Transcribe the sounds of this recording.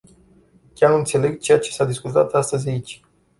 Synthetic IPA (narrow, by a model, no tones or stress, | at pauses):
kʲaɾɨnt̪se̞le̞ɡt͡ʃe̞jat͡ʃe̞̥sad̪iskut̪a̰t̪ast̪əzʲait͡ʃʲ